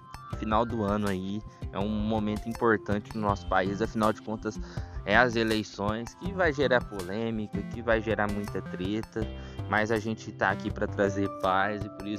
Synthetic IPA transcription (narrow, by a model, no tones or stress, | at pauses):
finawd̪ʊɐ̃nʊaiɛ̰ũmomẽnt̪ʊĩpoɾt̪ɐ̃t͡ʃɪnʊnɔsʊ̥paizɐfinawd͡ʒɪkõnt̪ɐsɛɐzelejsõj̃skɪvajʒeɾaɾpolẽmikɐkɪvajʒeɾaɾmũj̃t̪ɐt̪ɾet̪ɐmɐjzɐʒẽt͡ʃɪt̪a̰akipɾɐt̪ɾazeɾpajzɪpoɾis